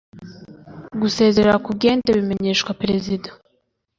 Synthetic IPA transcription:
ɡuse̞ːze̞ɾeɾakubɡe̞ːnteβime̞ɲe̞ːʃkwapɾe̞zida

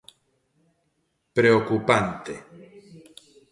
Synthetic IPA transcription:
pɾeokupant̪e

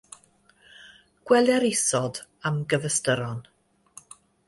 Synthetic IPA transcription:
ɡ̥wɛlˠjɛɾɪsɔd | amɡəvəstəɾɔn

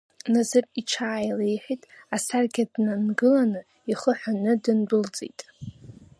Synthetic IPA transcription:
nazɨrit͡ʃʰaːjlejħᶣitʼasarɡʲadnanɡɨlanɨ | iχəħʷᶣanɨdɨnbɨlt͡sʼḭjtʼ

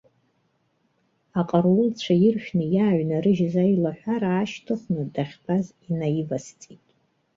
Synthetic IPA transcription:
aqʼarwʊlt͡ɕʷʰajɪrʃᶣnɨjaːɥnaɾɨʒzajilaħᶣʷaɾaːʃtʰɨχʷnɨdaχʲbʰazinajivast͡sʼitʼ

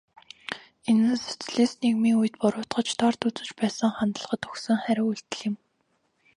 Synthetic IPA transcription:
enɘ̆nse̥t͡sɮeːsneɣmiːŋuj̆t̪pʊɾʊːt̪ɢə̆t͡ɕt̪ʰɔrt̪ut͡sɘ̆t͡ɕpæːsə̆ŋχant̪ə̆ɮʁə̆t̪ɵxsɵ̆ŋχæɾʲɪ̆ŋuɬt̪ɘ̆ɮɘ̆m

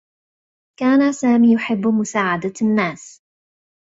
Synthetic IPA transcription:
kaːnasaːmiːjʊħɪbːmʊsaːʕad̪anːaːs

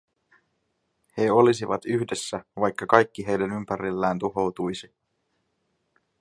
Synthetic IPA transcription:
he̞o̞lis̬iʋɑt̪yçde̞sːæʋɑjkːɑkɑjkːiɦe̞jdænympæɾilːæːnt̪uɦo̞wt̪ujsi

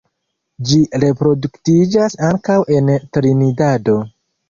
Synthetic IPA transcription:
d͡ʒiɾe̞pɾo̞duktid͡ʒasaŋkawʔe̞ntɾinidado̞

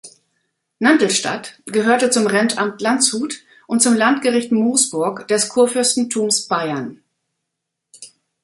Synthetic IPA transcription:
nantl̩ʃta̰tɡ̥əɦøːɐtət͡sʊmʁɛntʔamtlant͡shuːt | ʔʊnt̚t͡sʊmlantɡ̥əʁɪçtmoːsb̥ʊɐkd̥ɛskʰuːɐfʏɐstn̩tʰuːmsb̥aɪɐn

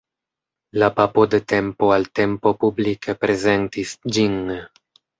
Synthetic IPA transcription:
lapapo̞dete̞mpo̞alte̞mpo̞publikʰepɾe̞ze̞ntisd͡ʒin

